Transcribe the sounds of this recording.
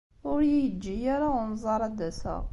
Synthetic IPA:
ʊɾjijəd͡ʒːijaɾaʊnzˤɑɾˤɑd̪æsə̰ʁ

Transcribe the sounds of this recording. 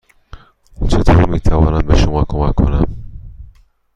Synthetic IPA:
t͡ʃʰet̪ʰoːɾmiːt̪ʰævɒːnænbeʃomɒːkʰːomækʰːonæm

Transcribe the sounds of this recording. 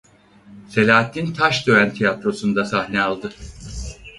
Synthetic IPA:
se̞lʲaːt̪ʰːint̪ʰaʃd̪ø̞ænt̪ʰijat̪ɾo̞sund̪asahnɛalˠd̪ɯ

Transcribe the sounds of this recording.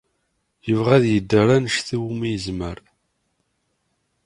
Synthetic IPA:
jəvʁæðjəd̪ːəɾˤænəʃθiwumijəzməɾ

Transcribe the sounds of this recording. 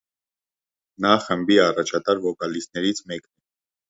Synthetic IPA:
nɑχəmbiɑrɑt͡ʃʰɑt̪ɑɾvɔkɑlisnɛɾit͡sʰmɛknɛ

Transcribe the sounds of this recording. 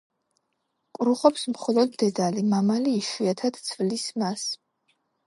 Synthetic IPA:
kʼɾuχɔpsmχɔlˠɔd̪ːɛd̪alimamaliːʃiat̪ʰad̪̥t̪sʰvlismas

